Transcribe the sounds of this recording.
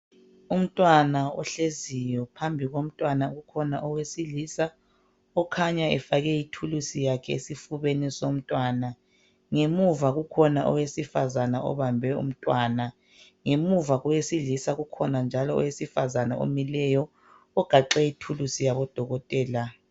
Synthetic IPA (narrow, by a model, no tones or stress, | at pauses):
um̩tʼwanaɔ̰ɬezijɔpʰambʱiɣom̩tʼwanaɣukʰɔnaʔɔwesiliːsa | ɔkʰaɲaɛfaɣɛjitʰulusijakʰɛesifuβenɛsom̩tʼwaːna | ŋemuvaɣukʰɔnaʔɔ̰wesifazanaʔɔ̰βambʱɛṵm̩tʼwaːna | ŋemuvaɣɔwesilisaɣukʰɔnand͡ʒʱalɔɔ̰wesifazanao̰milɛjɔ | ɔɡ̥ʱaǁɛitʰulusijaβɔd̥ʱɔɣɔtʼɛːla